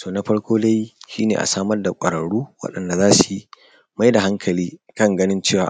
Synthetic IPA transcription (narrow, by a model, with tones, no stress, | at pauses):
toː˨na˦ɸɐ˦ɽkʷʰoː˦da˦jʃiː˦nḛː˨ʔa̰˨saː˦mɐ˦rda˨kʷʼɐ˨ɾɐ˨ɽuː˦wɐ̰˦ɗɐ˨nda˨zaː˦su˨ | ma˦jda˨ɦa˦ŋkʰɐ˨liː˦kɐ˦ŋɡɐ˦nɪ˦nt͡ʃeː˦˨wa̰ː˨